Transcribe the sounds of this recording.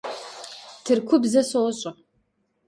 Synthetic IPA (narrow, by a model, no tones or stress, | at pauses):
tʰɨrkʷʰʊbzɐsɐwɔɕʼɐ